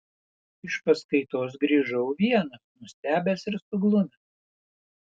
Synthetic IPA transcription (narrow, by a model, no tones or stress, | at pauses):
ɪʃpɐskɐɪt̪oːs̬ɡɾʲiːʒɐʊʋʲiɛnɐsnʊsʲt̪ʲæːbʲæːsɪɾsʊɡlˠʊmʲɛs